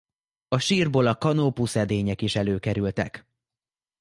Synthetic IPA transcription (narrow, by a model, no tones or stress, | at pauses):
ɒʃiːrboːlɒkɒnopusɛd̪eːɲɛkiʃɛløːkɛɾylt̪ɛ̰k